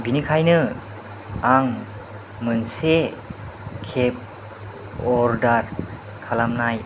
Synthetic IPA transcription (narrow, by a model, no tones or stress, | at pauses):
binikʰajnɯ | aŋ | mɯnse | kʰep̚ | ɔɾdaɾ | kʰalamnaj